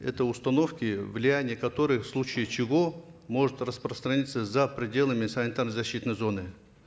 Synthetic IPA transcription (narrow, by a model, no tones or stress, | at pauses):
ɛ̰t̪əʊst̪ɐno̞fkʲɪvlʲɪjænʲɪjəkɐt̪oɾɨxfslˠut͡ɕɪjət͡ɕɪvo̞mo̞ʐɨt̪rəspɾəst̪ɾɐnʲit̪səzɐpɾʲɪdʲe̞lˠəmʲɪsɐɪnt̪ernəzɐɕːit̪nəjzo̞nɨ